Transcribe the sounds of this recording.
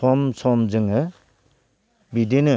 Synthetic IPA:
ɔmsɔmzɯŋɯ | bidinɯ

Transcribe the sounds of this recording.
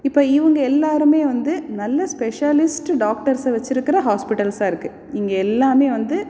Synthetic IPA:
ɪpːoːɪʋɐŋɡɐɛlːaːɾɯmeːʋɐnd̪ɯnɐlːɐspɛʂaːlɪsʈɖaːkʈɐɾsɐʋɛt͡ʃːɪɾɯkːɪɾɐɦaːspɪʈɐlsaːɪɾɯkːɯ | ɪŋɡɐɛlːaːmeːʋɐnd̪ɯ

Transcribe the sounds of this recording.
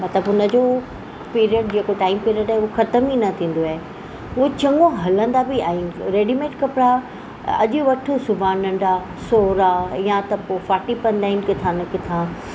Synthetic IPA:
mɐt̪ləbʊnəd͡ʑo | piːɾiəɖd͡ʑeːkoʈaːɪmpeːɾiəɖaːɦeʊoxɐt̪əminɐt̪ʰĩːnd̪oaːɦe | ʊot͡ɕɐ̃ŋɡõɦɐlə̃nd̪abiaɦĩɾeːɖimẽːʈkɐpɪɽa | ɐ̰ʄʊʋɐʈʰosʊbʱaːnɐ̃ɳɖa | soːɾajãt̪ɐpoːfaːɾʈipɐnd̪aːɪnkɪt̪ʰãːnɐkɪt̪ʰã

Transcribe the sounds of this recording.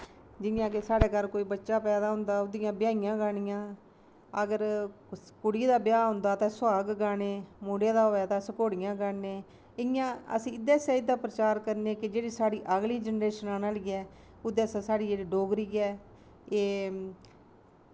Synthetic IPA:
d͡ʒɪnɪjãːkesaːɽeːkəɾkoːiːbətːʃaːpɛːd̪aːɦʊ̃nd̪aːʊd̪ɪjãːbɪjaːɪjãːɡaːɽ̃ɪjãː | əɡəɾ | kʊɽiːd̪aːbɪjaːɦʊ̃nd̪aːt̪ãːsʊwaːɡɡaːneːmoːɽjeːd̪aːoɛːd̪aːsəkoːɽɪjãːɡaːneː | ɪjãːə̰sĩːɪd̪ɛːsɛːɪd̪aːpɾət͡ʃaːɾkəɾnẽːkɪd͡ʒeːɽiːsaːɽiːʔəɡliːd͡ʒənɾeːʃənaːnaːliːɛː | ʊd̪ɛːsɛːsaːɽiːeːɽiːɖoːɡɾiːɛː | eː

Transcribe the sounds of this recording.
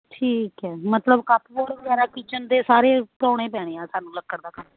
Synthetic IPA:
ʈʰiːkɛːmət̪ləbkaːpʰibɔːɽbəɡaːɾaːkiːt͡ʃənd̪eːsaːɾeːpɔːɽ̃ẽːpɛːɽ̃eːãːsaːnũːləkːəɽd̪aːkə

